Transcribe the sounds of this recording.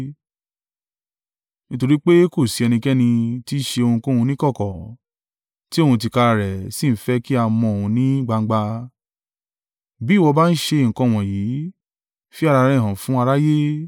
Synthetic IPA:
nĩ˦to˧ɾi˦k͡pe˦ko˦˨si˨˦ɛ˧nĩ˧kɛ˦nĩ˧ti˦ʃe˧o˧ũ˧kõ˦hũ˧nĩ˦kɔ˦˨kɔ˨ | ti˦o˦˨hũ˧t̬i˧ka˧ɾa˧˨ɾɛ˨si˦˨n̩˦fɛ˦ki˦a˧mɔ̃˧o˨hũ˧nĩ˦ɡ͡ba˧˦ɡ͡ba˧ | bi˦˨wɔ˧ba˦n̩˦ʃe˧˨ŋ̩˨kɔ̃˧˨w̃ɔ̃˨ji˨˦ | fi˦a˦˧ɾa˧ɾɛ̃˦˨ɦã˨fũ˦a˧ɾa˦je˦

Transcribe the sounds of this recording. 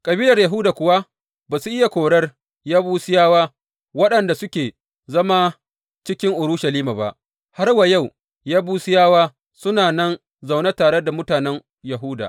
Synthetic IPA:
kʼɐ˨biː˦lɐ˨rjɐ˨ɦuː˦daː˨kʷʊ˨wa˦ | baː˨su˦ʔɪ˦ja˨kʷoː˨ɽɐ˦r | jaː˦buː˦sɪ˦jaː˦waː˦ | wɐ˦ɗɐ˨nda˨sʊ˦kʲeː˨ | zɐ˦ma˦ | t͡ʃɪ˦kʲɪ˦ŋʔʊ˨ɾʊ˦ʃɐ˨liː˦ma˨ba̰˨ʔ | ha˦rwa˨ja˦˨w | jaː˦buː˦sɪ˦jaː˦waː˦ | sʊ˦naː˨nɐ˦n | za˨wnɐ˦taː˨ɽe˦da˨mʊ˦taː˨nɛ˦ŋ | jɐ˨ɦʊː˦da̰˨

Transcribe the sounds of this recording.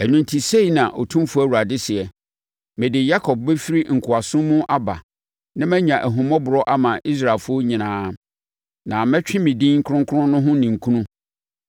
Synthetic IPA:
æ˨nũ˨ntʰi˨se˦i˨nã˨ʔo˨tʰũ˦mfʊ˦æ˦˨wu˨ɾa˨dɪ˦sɪ˨ɛ˨ | mɪ̃˨dɪ˨ja˦kʰɔ˨b̚bɛ˦fi˦ɾi˦ŋ̩˨kʰʊ˨a˨sʊ̃˦mʊ̃˦ʔa˦ba̰˨ | nã˦mæ̃˦ɲã˨ʔæ˨ɦũ˨mɔ̃˦bʊ˨ɾɔ˦ʔa˦mã˨ʔi˦s̬ɾa˨e˨lfʊ˦o˦ɲĩ˨nãː˦ | nã˨mɛ̃˦t͡ɕᶣɪ̃˦mĩ˨dĩ˦ŋ̩˦kʰʊ̃˦ŋ˦kʰʊ˦ʊ̃˦nʊ̃˦ɦʊ̃˦nĩ˨ŋ̩˨kʰũ˦nũ˦

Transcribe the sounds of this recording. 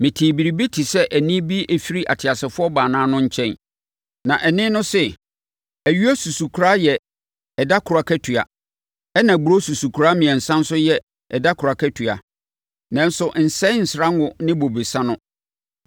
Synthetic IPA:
mɪ̃˨tʰiː˨bi˨ɾi˨bi˦tʰi˨sɛ˦ʔæ˨nĩ˦bi˦ʔæ˨fi˦ɾi˦ʔa̰˨tʰɪ˨a˨sɪ˨fʊ˦ɔ˦baː˨nãː˦nʊ̃˦ɲ̩˦t͡ɕʰɛ̃˦n | nã˨ʔɛ˨nɪ̃˦nʊ̃˦sɛ˦ | æ˨ɥu˦æ˦su˨su˨kʰu˨ɾa˦jɛ˨ | ɛ˨da˦kʰʊ˨ɾa˨kʰɛ˦tʰɥa̰˨ | ɛ˦nã˨ɡ͡bu˨ɾo˦su˨su˨kʰu˨ɾaː˦mĩ˨ɛ̃˨n̩˨sã˦n̩˦sʊ˦jɛ˨ | ɛ˨da˦kʰʊ˨ɾa˨kʰæ˦tʰɥa̰˨ | nã˦n˦sʊ˨ʔn̩˨sɛ̃˦n̩˨sɪ˨ɾã˦ŋ˦ʊ̃˨nɪ̃˦bo˨be˨sa˦nʊ̃˦

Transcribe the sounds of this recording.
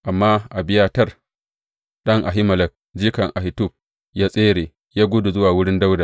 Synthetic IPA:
ʔa˨mːaː˦ʔa˨bɪ˦jaː˦tɐ˦r | ɗɐ˦ŋʔa̰˨ɦɪ˦mɐ˨lɐ˨k̚ | d͡ʒiː˦kɐ˨ŋʔa˨hɪ˨tu˦˨b̚ | jaː˦sʼeː˦ɽeː˨ | jaː˦ɡʷʊ˦du˨zʊ˦waː˨wʊ˦ɽɪ˦nda˦wda˨

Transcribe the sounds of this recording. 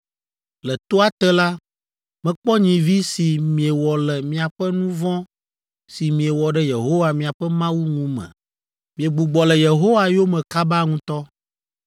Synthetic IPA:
lɛ˨t̪o˦a˦t̪ɛ˦la˦ | mɛ̃˨k͡pɔ˦ɲĩ˨vi˦si˨mĩ˨e˨wɔ˨lɛ˨mĩ˨a˨ɸɛ˦nũ˦vɔ̃˦ | si˨mĩ˨e˨wɔ˨ɖɛ˦je˨ɦo˦wa˨mĩ˨a˨ɸɛ˦mã˦wu˦ŋũ˦mɛ̰̃˨ | mĩ˨e˨ɡ͡bu˨ɡ͡bɔ˨lɛ˨je˨ɦo˦wa˨jo˦mɛ̃˨ka˦ba˦ŋũ˦t̪ɔ˦

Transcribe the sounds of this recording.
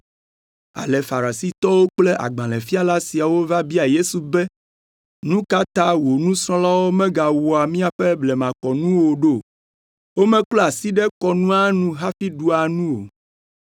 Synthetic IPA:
a̰˨lɛ˨fa˨ɾa˨si˦t̪ɔ˦wo˦k͡ple˦ʔa̰˨ɡ͡bã˨lɛ˨fi˦a˦la˦si˨a˨wo˦va˦bi˦a˨je˦su˨bɛ˦ | nũ˦ka˦t̪ã˦wo˨nũ˦sɾɔ̃˦la˦wo˦mɛ̃˦ɡa˨wo˨a˨mĩ˦a˨ɸɛ˦blɛ˨mã˨kɔ˨nũ˦wo˨ɖo˦˨ | wo˦mɛ̃˦klɔ˦a˨si˦ɖɛ˦kɔ˨nũ˦a˦nũ˦ɦa˦fi˦ɖu˦a˨nũ˦o̰˨

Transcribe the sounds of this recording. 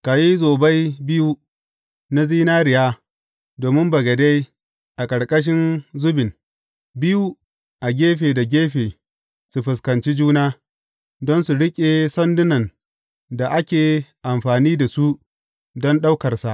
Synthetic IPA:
ka˨ji˦zoː˨ba˦jbɪ˦ju˦ | na˦ziː˦naː˦ɾɪ˨jaː˦ | doː˨mɪ˦mbɐ˨ɡɐ˨de˦j | ʔa˨kʼɐ˨ɽkʼɐ˦ʃ̬ɪ˦nzʊ˦bɪ˨n | bɪ˦ju˦ | ʔa˨ɡʲeː˦ɸeː˨da˨ɡʲeː˦ɸeː˨ | su˨ɸʊ˨skɐ˨nt͡ʃi˦d͡ʒuː˦naː˦ | dɔ˦nsu˨ɽɪ˦kʲʼe˨sɐ˦ndʊ˦nɐ˨n | da˨ʔa˦kʲeː˨ʔa˨mɸaː˨niː˦da˨su˦ʔ | dɔ˦nɗa˦wkɐ˨rsa˨ʔ

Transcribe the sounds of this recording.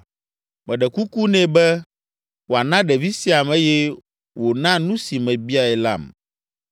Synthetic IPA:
mɛ̃˨ɖɛ˨ku˦ku˦nɛ̃˦bɛ˦ | wo˨a˨nã˦ɖɛ˨vi˦si˦a˨mɛ̃˦jɛ˦ | wo˨nã˦nũ˦si˨mɛ̃˨bi˦a˨ɛ˨la̰˦˨m

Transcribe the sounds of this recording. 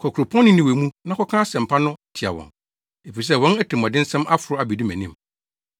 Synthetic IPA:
kʰɔ˨kʰɾʊ˨pʰɔ̃˦nː˦ɪ̃˦nĩ˨wɛ˨mũ˦nã˦kʰɔ˦kʰã˦sɛ̃˨m̩˨pʰa˦nʊ̃˦tʰɪ˨a̰˨wɔ̰̃˨n | e˨fi˨s̬ɛ˦˨wɔ̃˦næ˦tʰɪ˨m˨ɔ̃˨dɪ˦n˦sɛ̃˦mʔa˦fʊ˨ɾʊ˦a˨bi˨di˦mæ̰̃˨nĩ˦˨m

